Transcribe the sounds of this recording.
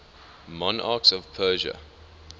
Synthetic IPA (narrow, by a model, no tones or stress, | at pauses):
mɔ̃na̰ːksɔv̥pʰɜːʒə̰